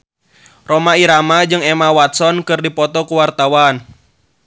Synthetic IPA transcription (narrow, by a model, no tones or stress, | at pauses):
romaiɾamad͡ʒɨŋemawat̪̚sɔnkɨrdipɔt̪ɔkuwart̪awan